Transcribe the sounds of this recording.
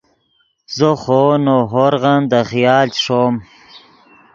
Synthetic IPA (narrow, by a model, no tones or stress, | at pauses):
zoχonoɦoɾʁand̪aχijɑːlt͡ɕʂom